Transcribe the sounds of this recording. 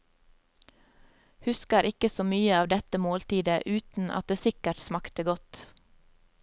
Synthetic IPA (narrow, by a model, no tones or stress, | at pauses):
hʉskəɾʔɪkəsoːmyːəɑːʋd̪ɛt̪əmoːlt̪iːd̪əʔʉːt̪n̩ʔɑ̰t̪̚d̪eːsɪkəʈsmɑkt̪əɡɔt̪